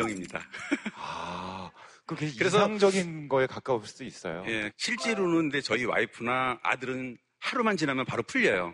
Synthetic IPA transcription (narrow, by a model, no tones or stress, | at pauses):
ʌŋimɲida̰a | kɯkeikɯɾe̞s̬ʰʌaŋd͡ʑʌɡinɡʌe̞kak͈aos͈uis͈ʌ̰jo̰je̞ɕʰiɭt͡ɕ͈eɾonɯndet͡ɕʌiwa̰ipʰɯnaa̰dɯɾɯn | haɾumant͡ɕinamjʌnpaɾopʰuʎːʌjo̰